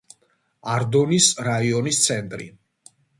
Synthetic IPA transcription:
aɾd̪ɔnisɾaiɔnist̪sʰɛnt̪ʼɾḭ

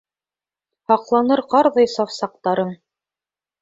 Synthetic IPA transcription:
hɑqlˠɑnɤɾqɑɾðɤjsɑwsɑq̚t̪ɑɾɤm

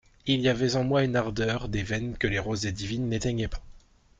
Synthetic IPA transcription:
ilijavɛzɑ̃mwaynaʁd̪œʁd̪evɛnkəleʁozd̪ed̪ivinːet̪ɛɲɛpḁ

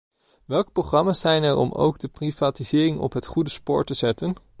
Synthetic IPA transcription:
ʋɛlˠkə̥proχrɑmaːsɛjnɛɹɔ̰mo̰wɡdəprivaːtizɪːrɪŋɔ̰pɦətχudəspoːɹtəzɛtən

